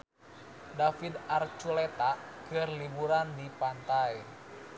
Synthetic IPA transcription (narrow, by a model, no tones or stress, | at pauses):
dafid̪art͡ʃulɛt̪akɨrlibuɾandipant̪aj